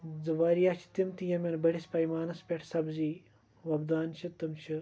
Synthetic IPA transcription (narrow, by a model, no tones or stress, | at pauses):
d͡zɨʋaːɾijaːt͡ʃʰi̥t̪imt̪ijɐmʲɐnbɐɽispɐjmaːnɐspʲeʈʰsɐbzi | ʋɐbd̪aːnt͡ʃʰit̪ɨmt͡ʃʰɨ